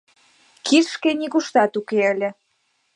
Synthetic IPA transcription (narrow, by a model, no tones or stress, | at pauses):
kʰirʃkenikuʃt̪ɑt̪ukeəlʲə̆